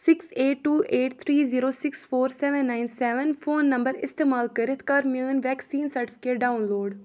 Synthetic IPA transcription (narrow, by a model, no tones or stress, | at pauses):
sɪkseːʈʈːuːʔeːʈt̪ʰɾiːziːɾoːsɪksfʰoːɾsɛːʋə̃nːaɪnsɛːʋənpʰoːnːə̃mbəɾɪ̰st̪eːmaːlkəɾɪt̪ʰkaːɾməːnʋɛːksiːnsəɾʈɪpʰɪ̥keːʈ̚ɖaːʊnloːɖ